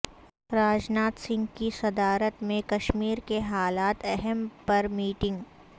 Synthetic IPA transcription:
ɾaːd͡ʒnaːt̪sɪ̃ŋɡkisɐd̪aːɾət̪mẽkɐʃmiːɾkeɦaːlaːt̪ɛɦɛmpɐɾmiːʈɪ̃ŋɡ

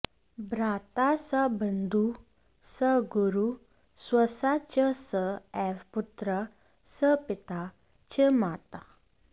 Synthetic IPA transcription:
bɾat̪asəbənd̪ʱu | səɡuɾu | sʋəsat͡ɕəsəɛʋput̪ɾə | səpit̪a | t͡ɕemat̪a

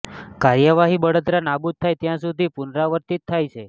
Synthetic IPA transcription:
kaɾjəʋaɦibəɽət̪ɾanabud̪̚t̪ʰajt̪jãsud̪ʱipunɾaʋəɾt̪it̪ʰːajt͡ʃʰe

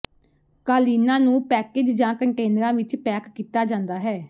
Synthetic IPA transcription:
kaːliːnãːnũːpɛːkeːd͡ʒd͡ʒãːkəɳʈeːnɾãːʋɪt͡ʃpɛːkːiːt̪aːd͡ʒãːnd̪aːɦɛː

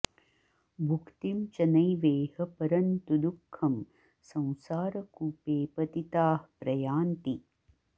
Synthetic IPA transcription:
bʱukt̪imt͡ʃɐnɐjʋeːhɐpɐɾɐnt̪ud̪ukʰːɐm | sɐ̃w̃saːɾɐkupeːpɐt̪it̪aːhpɾɐjaːnt̪i

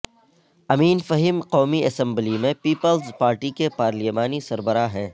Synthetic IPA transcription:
ɐmiːnfɐɦimqɔːmiʔɐsɛ̃mblimẽpiːpəlzpaːɾʈikepaːɾlimaːnisɐɾbəɾaɦɛ̃ː

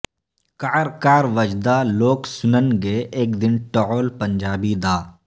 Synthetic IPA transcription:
kaːɾkaːɾʋəd͡ʒd̪aloːksʊnənɡeʔeːk̚d̪ɪnʈooːlpɐ̃nd͡ʒaːbid̪aː

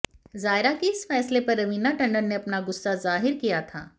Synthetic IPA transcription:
zaːɪɾakeɪsfɛːslepɐɾːɐʋiːnaʈɐ̃ɳɖəɾneɐpnaɡʊsːazaːɦɪɾkijat̪ʰa̰ː

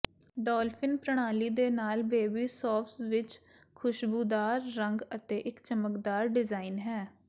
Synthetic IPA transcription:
ɖɔːlpʰɪnpɾəɽ̃aːliːd̪eːnaːlbeːbiːsɔːfsʋɪt͡ʃ | kʰʊʃbuːd̪aːɾːəŋɡət̪eːʔɪkt͡ʃəməkd̪aːɾɖɪzaːinɦɛː

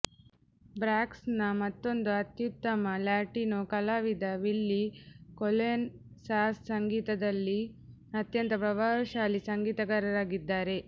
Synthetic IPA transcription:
bɾaːksnɐmɐt̪ːo̞nd̪uɐt̪jut̪ːɐmɐlaːʈinokɐlaːʋid̪ɐʋilːikolen | saːssɐŋɡiːt̪ɐd̪ɐlːi | ɐt̪jɐnt̪ɐpɾɐʋaːʃaːlisɐŋɡiːt̪ɐɡɐɾɐɾaːɡid̪ːaːɾe̞

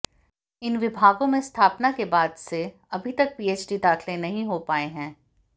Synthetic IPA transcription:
ɪnʋɪbʱaːɡõmẽst̪ʰaːpnakebaːd̪se | ɐbʱit̪ɐk̚piːeːt͡ʃɖid̪aːxʰlẽnɐɦĩɦopaːeɦɛ̃ː

